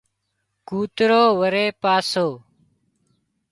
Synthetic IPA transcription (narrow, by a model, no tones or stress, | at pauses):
kuːt̪ɾoːʋəɾeːpaːsoː